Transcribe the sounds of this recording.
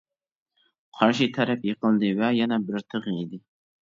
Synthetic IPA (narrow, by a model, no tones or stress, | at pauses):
qʰɑɾʃit̪ʰæɾɛpjɨqəlˠd̪ɪvɛjɛnɛbɪɾt̪ʰɨʁid̪ɪ